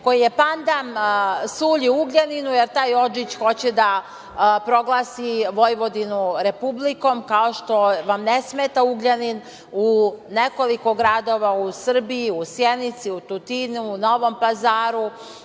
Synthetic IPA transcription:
ko̞jijepand̪amsuːʎiuɡʎaninujeɾt̪aːjo̞d͡ʒit͡ɕxo̞t͡ɕɛd̪a | pɾo̞ɡlˠaːsiʋo̞jʋo̞d̪inuɾepubliko̞mkao̞ʃt̪o̞ʋamnesmeːt̪auɡʎanin | uneko̞liko̞ɡɾaːd̪o̞ʋausr̩biiusjenit̪siut̪ut̪inuuno̞ʋo̞mpazaːɾu

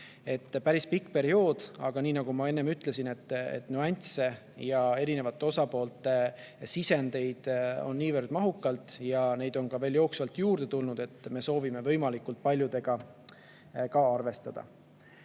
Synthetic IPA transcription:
e̞t̪ːpæɾispikːˑpe̞ɾio̞ːd̪̥ɑ̰ɡ̥ɑniːnɑɡ̥umɑe̞nːe̞myt̪ˑle̞sine̞t̪ːḛt̪ːnuɑnʲt̪se̞ | jɑe̞ɾine̞vɑt̪ːˑe̞o̞sɑpo̞ːlt̪ːˑe̞ | sise̞nd̪e̞jd̪̥o̞̰nːiːvərd̪̥mɑɦukːˑɑlt̪ˑjɑne̞jd̪̥o̞nkɑve̞ːljo̞ːksvɑlt̪juːrd̪̥e̞t̪ulnud̪̥e̞t̪ːme̞so̞ːvime̞vɤ̞jmɑlikːult̪̚pɑlʲjud̪̥e̞ɡ̥ɑ | kɑɑrve̞st̪ɑd̪̥ɑ̰

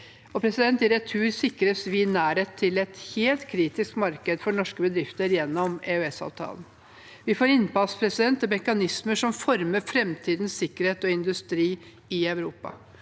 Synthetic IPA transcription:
ɔpʰɾɛsɪd̪ɛnt̪ɪɾɛt̪ʰʉːɾsɪkːɾəsʋɪnæːɾeːt̪ʰːɪlɛt̪heːlt̪kʰɾiːt̪ɪskmɑɾkəd̪fɔɳɔʂkəbəd̪ɾɪft̪əɾjɛnːɔmeœɛsɑ̰ːʋt̪ʰɑ̰ːlən | ʋɪfoːɾɪnpɑspʰɾɛsɪd̪ɛnt̪ɔmɛkɑnɪsməʂɔmfɔɾməɾfɾɛmt̪ʰiːd̪n̩sɪkːəɾheːt̪ɔɪnd̪ʉst̪ɾiː | ɪœʉɾuːpɑ̰

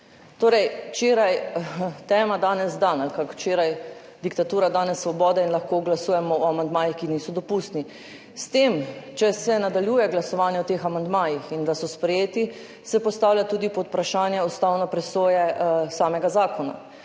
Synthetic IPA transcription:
t̪oːɾɛjwt͡ʃeːɾajt̪ɛːmad̪aːnɛzd̪analkakwt͡ʃeːɾaj | d̪ikt̪at̪uːɾad̪aːnɛsːʋɔbɔːd̪ɛinlaxkoɡlasuːjɛmɔɔamand̪maːjixkiniːsɔd̪ɔpust̪ni | st̪emt͡ʃɛsɛnad̪aljuːjɛɡlasɔʋaːnjɛɔt̪eːxamand̪maːjixind̪asɔspɾɛjeːt̪i | sɛpɔst̪aːwlʲjat̪uːd̪ipɔt̪pɾaʃaːnjɛust̪awnɔpɾɛsoːjɛsaːmɛɡazaːkɔna̰

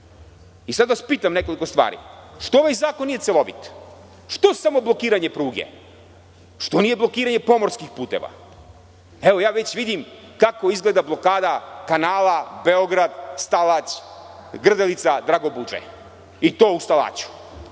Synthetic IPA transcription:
isad̪ʋaspiːt̪amne̞koliko̞st̪ʋa̰ːɾḭʃt̪ooʋajzaːkonːijeselˠo̞ʋḭt̪ | ʃt̪o̞samo̞blˠo̞kiːɾaɲe̞pɾuːɡḛ | ʃt̪o̞nije̞blˠo̞kiːɾaɲe̞po̞moɾskixpuːt̪ḛʋa̰ | eʋo̞jaːʋet͡ɕʋid̪imkako̞izɡleːd̪ablˠo̞kaːd̪akanaːlˠabeoɡɾad̪st̪alat͡ɕɡr̩d̪elit̪sad̪ɾaɡobud͡ʒḛ | it̪o̞ːust̪alˠa̰ːt͡ɕu̥

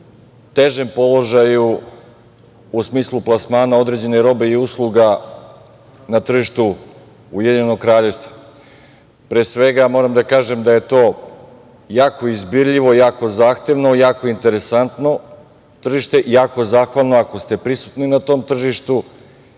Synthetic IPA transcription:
t̪e̞ʒe̞mpo̞lˠo̞ʒaju | usmiːslˠuplˠasmaːnao̞d̪ɾed͡ʑe̞neɾo̞be̞iuslˠuɡa | nat̪r̩ʒiʃt̪u | ujed̪iɲenokɾaːʎe̞ʋst̪ve̥ | pɾeːsʋe̞ɡamo̞ɾamd̪akaːʒe̞md̪aje̞t̪oː | jaːko̞izbiɾʎiʋo̞ijaːko̞zaːxt̪e̞ʋno̞jaːko̞int̪e̞ɾe̞sant̪no̞ | t̪r̩ʒiʃt̪e̞ʔijaːko̞zaːxʋalˠno̞ako̞st̪e̞pɾisu̥t̪ninat̪o̞ːmt̪r̩ʒiʃt̪u

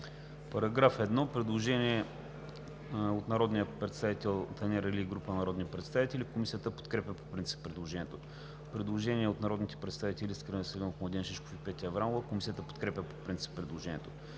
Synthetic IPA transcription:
pɐɾɐɡɾafɛd̪nɔpɾɛd̪lˠoʒɛnʲiɛ | ot̪nɐɾɔd̪nijəpɾɛt̪st̪avit̪ɛlˠt̪ɐnʲɛɾɛlʲiɡɾupənɐɾɔd̪nipɾɛt̪st̪avit̪ɛlʲikomisijət̪əpo̥t̪kɾɛpʲəpo̥pɾint̪si̥pːɾɛd̪lˠoʒɛnʲɛt̪o | pɾɛd̪lˠoʒɛniɛot̪nɐɾɔd̪nit̪ɛ̥pɾɛt̪st̪avit̪ɛlʲiskɾənɛsɛlʲinofmlˠɐd̪inʃit͡ʃko̥fipɛt̪ʲiəɐvɾanovəkomisijət̪əpot̪kɾɛpʲəpo̥pɾint̪si̥pːɾɛd̪lˠoʒɛn̰ʲɛ̰t̪o

